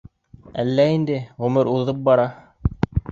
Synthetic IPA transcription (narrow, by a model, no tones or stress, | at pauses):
ælːæind̪ɘʁɵ̆mɘɾuððɤp̚bɑɾɑ